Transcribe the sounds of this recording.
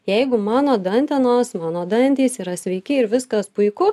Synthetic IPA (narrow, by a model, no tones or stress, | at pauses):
jɛɪɡʊmɑːnoːd̪ɐnʲt̪ʲɛnoːsmɑːnoːd̪ɐnʲt̪ʲiːsiɾɐsʲʋʲɛɪkʲɪɪɾʋʲɪskɐspʊɪkʊ